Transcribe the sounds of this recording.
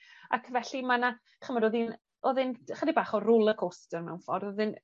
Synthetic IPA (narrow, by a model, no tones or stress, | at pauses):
a̰kʰvɛɬimana | χəmɔdɔðin | ɔðɨnχədibaːχɔrʊlˠəkʰostərmɛ̰wnfɔrɔðɨn